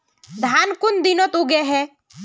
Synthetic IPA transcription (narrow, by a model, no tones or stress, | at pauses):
d̪ʱaːnkʊnd̪ɪnot̪uɡeɦɛ